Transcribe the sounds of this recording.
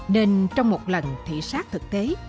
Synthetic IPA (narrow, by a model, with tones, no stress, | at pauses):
ne˧nt͡ɕɔ˧wŋ͡mmo˨˩t̚lə˨˩nt̪ʰḭ˧˨saː˦˥k̚t̪ʰɨ˨˩k̚t̪e˨˦